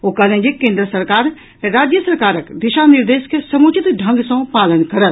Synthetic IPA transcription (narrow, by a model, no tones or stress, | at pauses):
okɐlẽd͡ʒekẽːnd̪ɾəsɐɾkaːɾ | ɾaːd͡ʒjəsɐɾkaːɾəkd̪ɪʃanɪɾd̪eːʃkesɐmuːt͡ʃɪt̪ɖʱɐ̃ŋɡsõpaːlənkɐɾət̪